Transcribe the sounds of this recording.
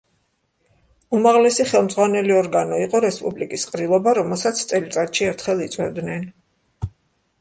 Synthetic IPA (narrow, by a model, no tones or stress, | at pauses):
umaʁlɛsiχɛlˠmd̪zʼʁwanɛliɔɾɡanɔiqʼɔɾɛspʼublikʼisqʼɾilˠɔbaɾɔmɛlˠsat̪sʰt̪sʼɛlit̪sʼat̪ʃiɛɾt̪ʰχɛlˠit̪sʼwɛvd̪nɛn